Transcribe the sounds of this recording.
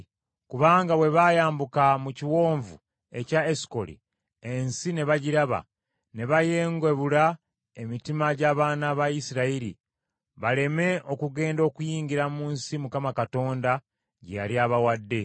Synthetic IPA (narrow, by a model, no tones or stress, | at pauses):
kuβaːŋɡawe̞βajaːmbukamuciwo̞ːɱvṵ | e̞̰caesi̥ko̞̰lḭ | ensine̞βaɟiɾaβa̰ | ne̞βaje̞ːŋɡwe̞βula | e̞mitimaɟaːβaːnaːβaisiɾaiɾḭ | βale̞me̞ʔo̞kuɡe̞ːndo̞ːkujiːɲɟiɾamuːnsimukamakato̞ːnda | ɟeja̰ɾjaβawadːe̞